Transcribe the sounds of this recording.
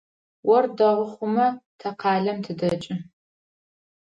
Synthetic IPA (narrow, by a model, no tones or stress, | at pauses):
wɔrdɐʁəχʷʊmɐtʰɐqɑːɮɐmtʰɨdɐt͡ʃʼɪ